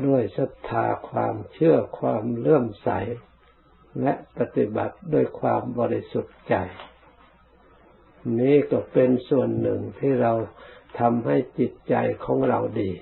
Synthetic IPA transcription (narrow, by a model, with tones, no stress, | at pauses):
du˧˥˩əjsa˧˦p̚t̪ʰːaː˨˧˦kʰwa̰ː˧mt͡ɕʰɯ˧˩ɐkʰwaː˧mlɤ˥˩əmsa̰˨˦j | lɛ˧˦˥ʔpa˧t̪i˧ba̰˨˦t̪̚du˧˥˩əjkʰwaː˧mbɔː˧ɾa˥˩jsu˧˦t̪̚t͡ɕa˨˩j | niː˧˥˨kɔː˧˩pe˧nsu˨˧˩ənːɯ˨˩ŋt̪ʰiː˧˩ɾa˧wt̪ʰa˧mɦa˥˩jt͡ɕi˧˦t̪̚t͡ɕa˧˩jkʰɔː˨˦ŋɾa˧wdiː˨˧